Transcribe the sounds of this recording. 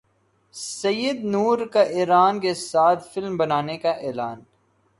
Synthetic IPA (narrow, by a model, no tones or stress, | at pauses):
sɐjəd̪nuːɾkaʔeːɾaːnkesaːt̪ʰfɪlmbɐnaːnekaʔeːlaːn